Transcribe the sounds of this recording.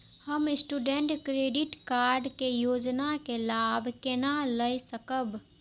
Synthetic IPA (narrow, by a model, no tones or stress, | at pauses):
həmɪsʈuɖeɳʈkɾeːɖɪʈkaːɾɖkejoːd͡ʒnakelaːbʱkenaləjsəkəb